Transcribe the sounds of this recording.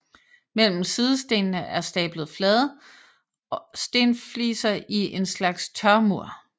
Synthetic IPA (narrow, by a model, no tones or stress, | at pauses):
mel̰m̩sið̞ˠəsd̥e̝̰ːnnəʔæɐsd̥ɛ̰ːb̥ləð̞̩ˠflɛːðˠ | ɒsd̥e̝nflḭːsɐiʔe̝nslɑ̈ɡ̥st͡sʰɶɐmuɐ̰